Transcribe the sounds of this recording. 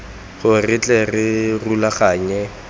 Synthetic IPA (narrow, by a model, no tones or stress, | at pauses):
χʊrɪt͡ɬʼɛrɪrulaχaːɲɛ